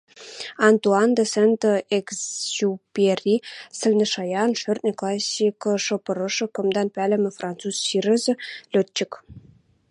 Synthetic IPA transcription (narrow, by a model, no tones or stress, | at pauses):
ɑnt̪uɑnd̪ɤsent̪ɤeksupʲerʲisɘ̆lʲnʲɘ̆ʃɑjɑnʃørt̪̚nʲĕklˠɑsʲːikɤ̆ʂɤ̆pɤ̆ɾɤ̆ʂɤ̆kɤ̆md̪ɑnpʲælʲɘ̆mʲɘ̆frɑnt̪t͡susɕirɘ̆zɘ̆lʲøt̪̚t͡ɕːɘ̆k